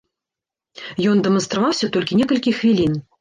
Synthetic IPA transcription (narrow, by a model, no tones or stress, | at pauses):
jɔnd̪ɛmɐnst̪ɾavawsʲɐt̪ɔlʲkʲinʲɛkɐlʲkʲixvʲilʲin